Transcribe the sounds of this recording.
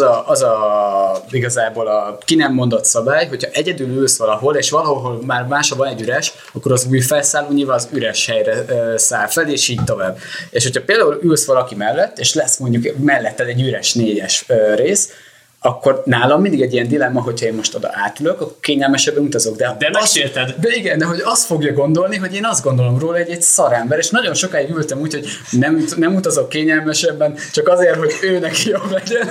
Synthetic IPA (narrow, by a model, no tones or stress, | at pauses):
ɒʔɒzɒ | iɡɒzaːboːlɒkinɛmːo̞nd̪o̞t̪sɒbaːjɦo̞chɒʔɛɟɛd̪yːlylsʋɒlɒɦo̞leːʃʋɒlɒɦoɦo̞lmaːrmaːʃhɒvɒnɛɟːyɾɛʃ | ɒkːo̞ɾɒzuːjfɛlsaːloːɲiːlvaːzyɾɛʃhɛjrɛsaːlfɛleːʃiːc̚t̪o̞vaːbːeːʃhocʰhɒpeːld̪aːulylsʋɒlɒkimɛlːɛt̪ːeːʃlɛsmo̞ɲɟukmɛlːɛt̪ːɛaːt̪ɛɟːyɾɛʃneːɟɛʃøreːs | ɒkːo̞rnaːlɒmind̪iɡɛɟːijɛnd̪ilɛmːɒɦo̞chɒeːnmo̞ʃt̪od̪ɒ̰ʔaːt̪yløkɒkːorkeːɲɛlmɛʃɛbːɛnut̪ɒzo̞ɡd̪ɛd̪ɛmɛʃeːlt̪ɛd̪d̪ɛiɡɛnd̪ɛɦo̞ɟɒst̪fo̞ɡjɒɡo̞nd̪o̞lniɦo̞ɟeːnɒzd̪ɡo̞nd̪o̞lo̞mroːlɒɟɛcsɒɾɛmbɛɾeːʃnɒɟo̞nʃo̞kaːiɡylt̪ɛmuːcho̞ɟ | nɛmnɛmut̪ɒzo̞kːeːɲɛlmɛʃɛbːɛnt͡ʃɒkɒzeːrɦo̞ɟøːnɛkijoblɛɟɛn